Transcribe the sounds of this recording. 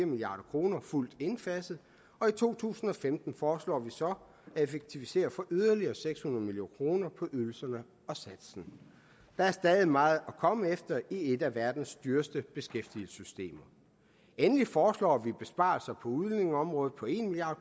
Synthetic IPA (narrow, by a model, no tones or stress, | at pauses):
ɐmiliɑ̈ːɾ̥ɐkʰʁo̝ːnɐful̰d̥e̝nfæsð̩ˠ | ɒ̽it͡sʰo̝̰ːt͡sʰṵːsn̩ɒ̽femd̥n̩fɒːslɒ̰ːʋisɒ̽ | æe̝feɡ̥̚t͡sʰiʋise̝̰ːɐfɒ̽ʔyð̞ˠɐliɐːseɡ̥shunɐðˠmiljo̝̰ːnkʰʁo̝ːnɐpʰɒ̽ʔyðˠl̩sɐnə | ɒ̽sæd̥sn̩ | d̥ɑ̈æɐsd̥ɛːðˠimɑ̈ːð̩ˠɒkʰɒ̽məefd̥ɐie̝d̥æʋæɐd̥n̩sd̥yːɐsd̥əb̥e̝sɡ̥efd̥ilsysd̥e̝̰ːmɐ | enəlifɒːslɒ̰ːʋib̥e̝sb̥ɑ̰̈lsɐpʰɒ̽uðˠlyne̝ŋɒ̽mʁɔ̽ːð̩ˠpʰɒ̽e̝nmilijɑ̈ːd̥